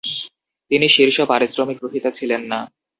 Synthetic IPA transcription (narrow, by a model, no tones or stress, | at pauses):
t̪iniʃiɾʃɔbaɾisɾomik̚ɡɾuɦit̪at͡ɕʰilenːa